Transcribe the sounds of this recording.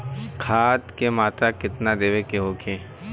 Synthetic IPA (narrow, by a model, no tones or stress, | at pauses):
kʰaːt̪kemaːt̪ɾakɪt̪nad̪eːʋekeɦoːkʰeː